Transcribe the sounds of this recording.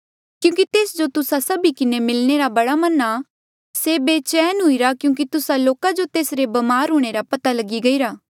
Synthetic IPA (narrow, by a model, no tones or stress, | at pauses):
kjũːk̬it̪eːsd͡ʒot̪ʊsasɐbikɪnemɪlɽ̃eɾabɐɽamɐna | sebet͡ʃɛːnɦʊiɾakjũːk̬it̪ʊsaloːkad͡ʒot̪eːsɾebɐmaːɾɦʊɽ̃eɾapɐt̪alɐɡiɡɐiɾaː